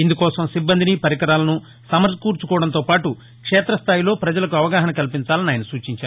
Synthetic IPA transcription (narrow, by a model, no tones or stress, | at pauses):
ind̪ukɔːsɐmsibːɐnd̪inipɐɾikɐɾaːlɐnu | sɐmɐɾskuːɾt͡ʃu̥kɔːʋɐɽɐnt̪oːpaːʈu | kʂɛːt̪ɾɐst̪ʰaːjilo̞ːpɾɐd͡ʒɐlɐk̬uɐʋɐɡaːɦɐnɐkɐlipiɲt͡ʃaːlɐnaːjɐnɐsuːt͡ʃiɲt͡ʃaː